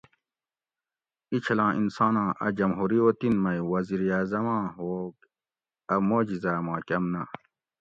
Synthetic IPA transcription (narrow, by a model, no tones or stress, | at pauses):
it͡ɕʰɐlãːʔinsɑ̃ːnãːʔɐd͡ʑɐmɦuɾiot̪inmɐjwɐziɾiaːzɐmãːok | ɐmoːd͡ʑizamãːkɐmna